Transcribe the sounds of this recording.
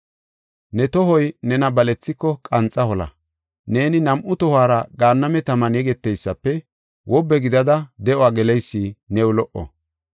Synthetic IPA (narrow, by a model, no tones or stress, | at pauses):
nɛt̪ɔɦɔjnɛnɐbɐlɛt͡sːɪkːɔkʼɐnt͡sʼːɐhɔlɐ̰ | ne̞ːnɪnɐmʔʊt̪ɔhaːɾɐɡaːnːɐmɛt̪ɐmɐnɛɡɛt̪ːɛjsːɐpːɛ | wʔɔbːɛɡɪd̪ɐd̪ɐd̪ɛʔɔaːɡɛlɛjsːinɛwʊlɔʔːɔ̰